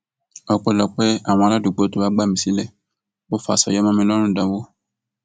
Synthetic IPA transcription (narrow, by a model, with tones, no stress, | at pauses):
ɔ˦k͡pɛ˦˨lɔ˨k͡pɛ˦a˨w̃ɔ̃˨a˨la˦du˨ɡ͡bo˨˦to˦a˦ɡ͡ba˦˨mĩ˨si˦lɛ˦˨ | wo˦fa̰˨sɔ̰˨jɔ˦mã˦mɛ̃˨n˦ɔ̃˦nũ˦˨dã˨wo˦